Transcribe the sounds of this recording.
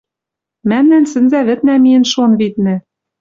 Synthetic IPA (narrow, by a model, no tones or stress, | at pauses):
mæmnænsɘ̆nzæβɘ̆t̪næmiɘ̆nʃonβit̪̚nɘ̆